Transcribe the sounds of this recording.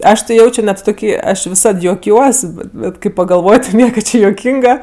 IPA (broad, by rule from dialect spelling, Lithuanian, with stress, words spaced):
ˈɐʃ tʲɪ ˈjɛʊt͡ʃʲoː nʲɛt toːˈkʲiː ˈɐʃ ʋʲɪˈsɐt juɔˈkʲuɔs bʲɛt ˈbʲɛt kɐɪ pɐɡɐlˠˈʋoːj ˈnʲiɛkɐ ˈt͡ʃʲɪ juɔˈkʲiːŋɡɐ